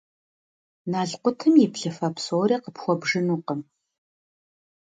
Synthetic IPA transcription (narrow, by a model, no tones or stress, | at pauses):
naːɮqʷʊtʰɨmjɪpɬɨfɐpsoːɾiːqəpxʷɔbʐɨnuːqəm